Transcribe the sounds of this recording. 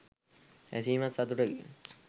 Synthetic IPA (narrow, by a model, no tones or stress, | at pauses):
æsiːmassːat̪uʈəɡe